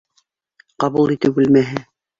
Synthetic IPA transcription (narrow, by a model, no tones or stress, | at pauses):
qɑβulˠit̪ɘp̚bɘlmæɦɘ